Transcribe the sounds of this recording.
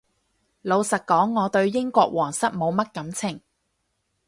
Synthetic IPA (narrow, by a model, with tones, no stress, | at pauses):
lo˨˧wsɐ˨t̚kɔː˨˥ŋːɔː˨˧t̪ɵ˧ɥjɪ˥ŋkʷɔː˧k̚wɔː˨˩ŋsɐ˥t̚mo˨˧wmɐ˥t̚kɐ˨˥mt͡sʰɪ˨˩ŋ